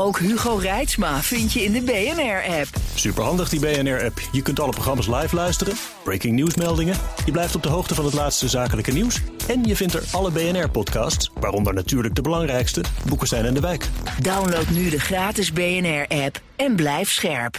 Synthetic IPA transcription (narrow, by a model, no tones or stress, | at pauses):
owkɦyχorɛjtsmaːvɪntjəɪndəbejɛnɛɹɛpsypəɹɦɑndəχdibejɛnɛɹɛpjəkɵntɑləproχrɑmaːs̬lɑjflœɥstərən | b̥ɹejkɪŋnusmɛlˠdɪŋəjəblɛjftɔb̚dəɦowχtəvɑnɦətlaːtstəzaːkələkəniwsɛnjəvɪntə̰ɹɑləbejɛnɛɹpɔtkɑ̰ːstsʋaːrɔndəɹnatyːɹləɡ̚dəbəlɑŋrɛjkstəbukəsɛjnɛndəʋɛjkdawnlowtnydəχraːtɪzbejɛnɛɹʔɛp | ɛnblɛjftsχɛɹp